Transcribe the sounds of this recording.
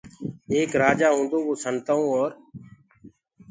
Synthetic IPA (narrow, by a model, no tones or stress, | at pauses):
eːkɾaːd͡ʒaːɦũːnd̪oːboːsənt̪əõːɔːɾ